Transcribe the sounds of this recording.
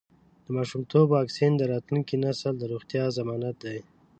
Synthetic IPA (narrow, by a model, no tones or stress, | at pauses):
d̪̥əmɑʃumt̪obwɑksind̪əɾɑt̪luŋkinasəld̪əɾuɣt̪jɑzamɑnat̪̚d̪aj